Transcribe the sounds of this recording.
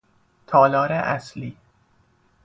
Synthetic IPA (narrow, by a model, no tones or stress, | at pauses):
t̪ʰɒːlɒːɾeʔæsliː